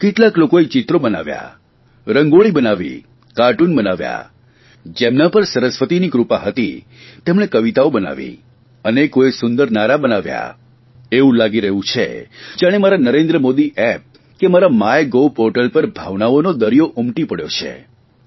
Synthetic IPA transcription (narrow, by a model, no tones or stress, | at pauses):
keʈlaklokoet͡ʃɪt̪ɾobəna̰ʋja̰ | ɾəŋɡoɭibənaʋḭ | kaʈunbənaʋja̰ | d͡ʒemnapəɾsəɾəsʋət̪inikɾupaɦət̪ḭ | t̪emɽekəʋit̪aobəna̰ʋḭ | ənekoesʊnd̪əɾnaɾabənaʋja̰ | eʋũlaɡiɾəɦũt͡ʃʰḛd͡ʒjaɽ̃emaɾanəɾẽnd̪ɾəmod̪iʔɛp̚ | kemaɾamajɡopɔɾʈəlpəɾbʱaʋnaonod̪əɾijoʔumʈipəɽjo̰t͡ʃʰḛ